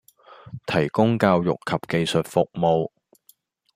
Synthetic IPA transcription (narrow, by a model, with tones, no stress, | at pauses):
t̪ʰɐ˨˩jkʊ˥ŋkaː˧wjʊ̰˨kʰɐ˨˩p̚ke˨jsɵ˨t̚fʊ˨k̚mo˨w